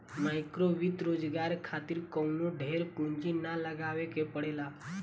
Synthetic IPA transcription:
majkɾoʋit̪ɾod͡ʒɡaɾkʰat̪iːɾkəwnuɖʱeɾkũnd͡ʒinaləɡaʋekepəɽela

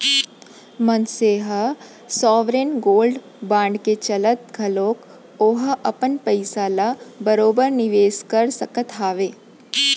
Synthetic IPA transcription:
mɐnseːɦə | sɔːʋɾeːnɡoːlɖ | bãːɳɖket͡ʃɐlət̪̚ɡʱɐloːk | oːɦʔɐpənpəɪsaːlabɐɾoːbəɾnɪʋeːskɐɾsɐkət̪aːʋeː

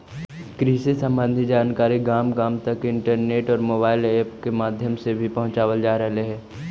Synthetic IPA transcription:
kɾiːsesə̃mbə̃nd̪ʱid͡ʒaːnkaːɾiɡaːmɡaːmt̪ɐkɪ̃ɳʈəɾneːʈɔːɾmoːbaːɪleːpkemaːd̪ʱjəmsebʱipɐɦʊ̃t͡ʃaːʋəld͡ʒaːɾɐɦleɦɛː

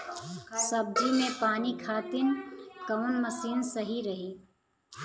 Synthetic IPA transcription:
sɐb̚d͡ʒimẽpaːnikʰaːt̪ɪnkəʋʊnmɐsiːnsɐɦiɾɐɦeː

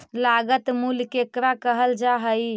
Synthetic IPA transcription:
laɡət̪mulkekɾakəɦəld͡ʒaɦəj

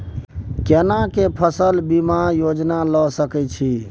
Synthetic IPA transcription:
kenakepʰəsəlbimajod͡ʒnalɔsəkɛt͡ʃʰi

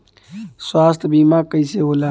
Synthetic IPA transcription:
swaːst̪ʰbimakəiseɦola

